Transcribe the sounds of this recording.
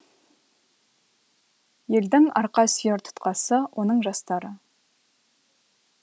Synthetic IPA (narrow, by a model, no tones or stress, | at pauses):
je̞ld̪ɪŋɑ̰ɾqɑsijeɾt̪ʰʊ̥t̪qɑsəwʔo̞nəɴʒɑst̪ɑɾə